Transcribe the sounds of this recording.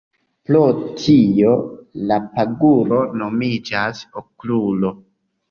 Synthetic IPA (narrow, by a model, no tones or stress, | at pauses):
plotʰijo̞lapaɡulo̞no̞mid͡ʒasoklulo̞